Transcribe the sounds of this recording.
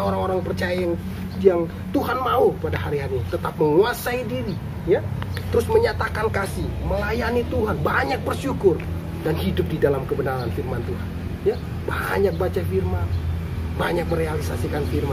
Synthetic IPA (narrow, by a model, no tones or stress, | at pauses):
oɾaŋoɾaŋpərt͡ʃajajaŋ | jaŋ | t̪uɦanmaupadaɦaɾiɦaɾit̪ət̪ap̚məŋuasaidiɾi | ja | t̪əɾʊsməɲat̪akankasɪhməlajanit̪uɦanbaɲak̚bərʃukʊr | danhidʊp̚didalamkəbənaɾanfirmant̪uɦan | ja | ba̰ɲak̚bat͡ʃafirman | baɲak̚məɾealisasikanfirma